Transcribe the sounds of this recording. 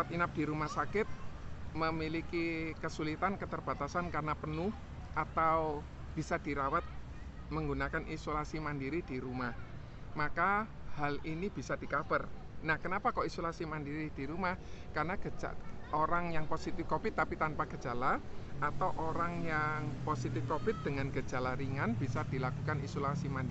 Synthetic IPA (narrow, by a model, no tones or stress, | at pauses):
at̪inap̚d̥iɾumahsakɪt̪̚məmilikikəsulit̪ankət̪ərb̥a̤t̪asankarnapənʊh | ʔat̪aw | b̥isad̥iɾawat̪̚ | məŋɡunakanʔisolasimandiɾid̥iɾumah | makahalinib̥i̤sad̥i̤kab̥ər | nahkənapakɔisolasimandiɾid̥iɾumahkarnaɡəa̰oɾaŋjaŋposit̪ɪfkobɪt̪ːapit̪anpaɡ̥ə̥d͡ʒa̤laat̪awʔoɾaŋjaŋposit̪ɪfkobɪt̪̚d̥̪əŋanɡ̥əd͡ʒa̤laɾiŋanb̥isad̪̥ilakukanisolasimandi